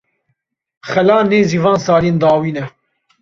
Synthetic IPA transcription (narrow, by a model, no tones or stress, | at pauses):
xɛlaːneːziːvãːnsaːliːnd̪aːwiːnɛ